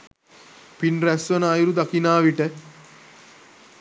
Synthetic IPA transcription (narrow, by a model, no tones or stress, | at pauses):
pinræsʋɐnːjɾud̪akinaːʋiʈə